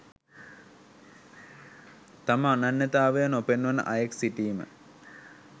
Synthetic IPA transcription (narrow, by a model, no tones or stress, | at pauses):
t̪amananːət̪aːʋejənopenʋənə̰ʔajeksiʈiːmə̰